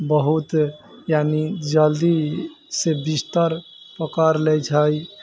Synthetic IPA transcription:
bəɦut̪ | janid͡ʒəld̪i | sebist̪əɾ | pəkaɾlɛjt͡ʃʰəj

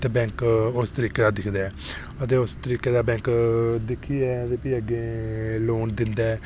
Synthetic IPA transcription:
t̪eːbɛ̃ːŋkʊst̪əɾiːkeːd̪aːd̪ɪkʰd̪aːɛː | ət̪eːʊst̪əɾiːkeːd̪aːbɛ̃ːŋkd̪ɪkʰːiːɛːət̪eːpiəɡeːloːnd̪ɪnd̪aːɛː

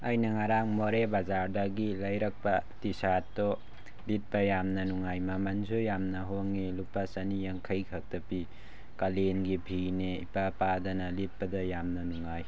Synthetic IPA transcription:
ɐjnɐŋaɾaŋmoɾebazaɾdɐɡilɐjɾɐk̚pɐtisatːɔ | lit̚pɐjamnɐnuŋajmɐmanzujamnɐɦoŋːelupːɐsɐnijɐŋkʰɐjkʰɐk̚tɐpi | kalenɡibʱineḭpapadɐnɐlit̚pɐdɐjamnɐnuŋaj

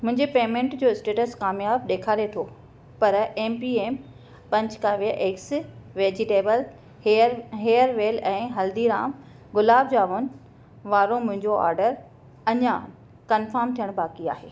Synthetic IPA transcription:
mʊ̃ɦɪ̃ɲd͡ʑepeːmẽːɳʈd͡ʑoːɪsʈeːʈəskaːmjaːb̚ɗeːkʰaːɾet̪ʰo | pɐɾeːmpieːm | pɐ̃ɲt͡ɕkaːʋiəʔeːksʋeːd͡ʑɪʈeːbəl | ɦeːəɾʋeːlɛ̃ːɦɐld̪iɾaːm | ɡʊlaːbd͡ʑaːʋʊnɪ̆ | ʋaːɾomʊ̃ɦɪ̃ɲd͡ʑoa̰ːɾɖəɾ | ɐɲã | kɐnfəɾmt̪ʰijəɽ̃baːkia̰ːɦeː

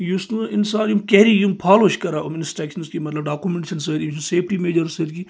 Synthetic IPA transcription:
just̪uɪnsaːɾjumkɛɾijumpʰaːloʃkɐɾaɐmnɪsʈɛːkʃɐnskimɐt̪lɐbɖaːkumẽɳʈʃɐns̬əɾiʃuseːpʰʈimeːd͡ʒɐɾsəd̪ki

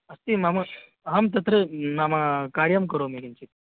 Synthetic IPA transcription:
ɐst̪imama | ɦamt̪̬ɐt̪ɾəmamakaɽjɐmkəɾomekint͡ɕit̪̚

